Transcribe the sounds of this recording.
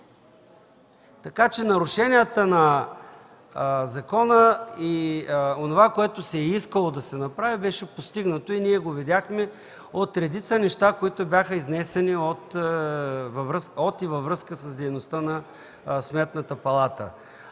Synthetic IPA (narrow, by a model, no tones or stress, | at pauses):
t̪ɐkat͡ʃɛnɐɾʊʃɛnijət̪ənɐ | zɐkɔnəionovakoɛt̪osɛiskəlˠod̪ɐsɛnɐpɾavibɛʃɛpost̪iɡnət̪oiniɛɡovɛd̪ʲaxmɛ | ot̪ɾɛd̪it̪sənɛʃt̪akoit̪obʲjaxəiznɛsɛniot̪ | vvɾsot̪ivɐvɾɤskəsəzd̪ɛjnost̪ənɐ | smɛt̪nət̪əpɐlˠat̪ə̰